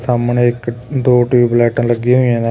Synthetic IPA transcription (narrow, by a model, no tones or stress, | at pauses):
saːmneːɪkd̪oːʈiʋiːblɛːʈãːləɡiːɦoijãːn